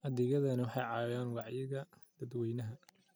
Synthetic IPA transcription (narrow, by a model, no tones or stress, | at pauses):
ʔɐd̪ɪɣɐðɐnɐwɑħɑjʕɑːjaːnwɑʕjɪɣɐd̪̥ɐd̪wɛjnɐɦɐ